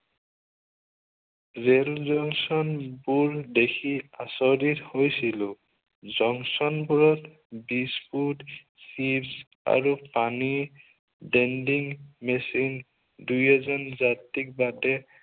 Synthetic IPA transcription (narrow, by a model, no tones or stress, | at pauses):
zelzɔŋsɔnbuɹdekʰiasɔdithojsilʊ | zɔŋsɔnbuɹɔt | bispʰud | sibs | a̰ɹupani | dɛndiŋmesin | dujɛzɔnzatːik̚badɛ